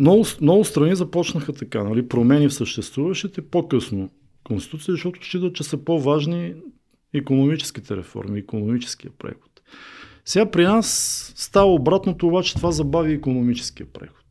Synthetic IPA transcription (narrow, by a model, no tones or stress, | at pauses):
mnɔɡʊsnɔɡʊst̪ɾɐnizɐpɔt͡ʃnəxət̪ɐka̰nɐlipɾomɛnifsəʃt̪ɛst̪vuvɐʃt̪it̪ɛpokɤsno | konsi̥t̪ut̪sijəzʃt̪ɔt̪ʊ̥ʃit̪ət͡ʃɛsəpovaʒni | ikonomit͡ʃɛ̥skit̪ɛɾɛ̰fɔ̰ɾmiːkonomit͡ʃɛ̥skijəpɾɛ̰xo̥t̪sɛɡapɾinasːt̪avəobɾat̪not̪oːvat͡ʃɛ̥t̪ovazɐbaviikonomit͡ʃɛ̥sk̟iəpɾɛ̰xo̥t̪